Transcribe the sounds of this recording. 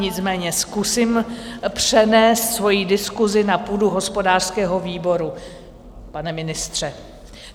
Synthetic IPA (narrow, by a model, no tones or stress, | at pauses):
ɲɪt͡smɛːɲɛskusiːmpr̝̥ɛnɛːst̪svo̞jidɪskuzɪnapuːduɦo̞spo̞daːr̥skɛːɦo̞viːbo̞ɾu | panɛmɪnɪst̪r̝̥ɛ